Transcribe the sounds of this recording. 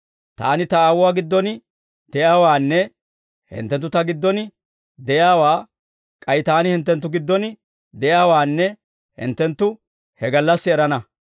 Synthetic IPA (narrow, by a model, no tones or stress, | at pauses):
t̪a̰ːnɪt̪ɐaːwʊwaːɡɪd̪ːɔn | d̪̥ɛjaːwaːnːɛ | hɪ̰nt̪ːɛnt̪ːʊt̪ɐɡɪd̪ːɔnɪ | d̪ɛjaːwaː | kʼɐjɪt̪aːnɪhɪnt̪̬ːɛnt̪ːʊɡɪd̪ːɔn | d̪ɛjaːwaːnːɛ | hɪ̰nt̪ːɛnt̪ːʊ | hɛɡɐlːɐsːɪɛɾɐnɐ